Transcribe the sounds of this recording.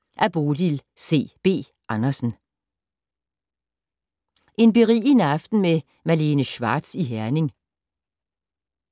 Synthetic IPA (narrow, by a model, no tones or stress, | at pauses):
ʔæɐb̥o̝ːd̥ilse̝̰ːb̥e̝̰ː | ʔɑ̈nɐsn̩ | ʔe̝nb̥eʁḭːinɑ̈fd̥n̩me | mæle̝ːnəɕʋɑ̰̈ːd̥siɦæɐne̝ŋ